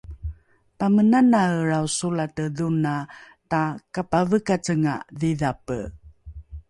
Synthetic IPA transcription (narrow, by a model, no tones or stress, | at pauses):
pamənanaəɾawsulatəðuna | takapavəkat͡səŋa̰ðiðapə̰